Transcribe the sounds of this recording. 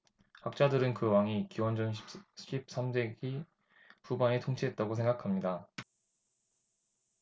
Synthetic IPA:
hak̚t͡ɕ͈adɯɾɯnkɯwaŋikiwʌnd͡ʑʌnɕʰipɕʰip̚s͈amde̞ɡi | pubanetʰoŋt͡ɕʰiɦe̞t̚t͈aɡos̬ʰe̞ŋɡakʰamɲida

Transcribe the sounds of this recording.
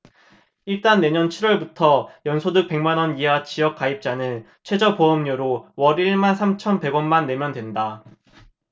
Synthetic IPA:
iɭt͈anːe̞ɲʌnt͡ɕʰiɾwʌɭbutʰʌjʌnsʰodɯk̚pe̞ŋmanʌniɦat͡ɕijʌk͈aip̚t͡ɕ͈anɯn | t͡ɕʰwe̞d͡ʑʌpoʌmɲoɾowʌɾiɭmansʰamt͡ɕʰʌnpe̞ɡʌnmanːe̞mjʌndwe̞nda

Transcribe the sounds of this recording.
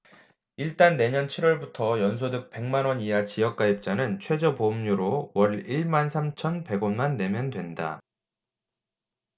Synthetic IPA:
iɭt͈anːe̞ɲʌnt͡ɕʰiɾwʌɭbutʰʌjʌns̬ʰodɯk̚p͈e̞ŋmanwʌɲiɦat͡ɕijʌk̚k͈aip̚t͡ɕ͈anɯnt͡ɕʰwe̞d͡ʑopomɲuɾowʌɭiɭmansʰamt͡ɕʰʌnpe̞ɡonmanːe̞mjʌndwe̞nda̰

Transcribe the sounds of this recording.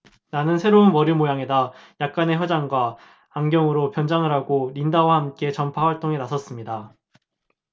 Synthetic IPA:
nanɯnsʰe̞ɾounmʌɾimojaŋe̞dajak̚k͈ane̞çjʌd͡ʑaŋɡwaː | ŋɡjʌŋɯɾopjʌnd͡ʑaŋɯɾɦaɡoɾindawahamk͈e̞t͡ɕʌmpʰawaɭt͈oŋenasʰʌs͈ɯmɲida

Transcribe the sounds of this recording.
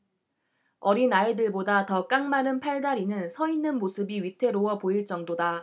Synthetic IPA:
ʌɾinaɭdɯɭbodatʌk͈aŋmanɯnpʰaɭdaɾinɯnsʰʌinːɯnmosʰɯbiɥitʰe̞ɾowʌpoiɭt͡ɕ͈ʌŋdoda

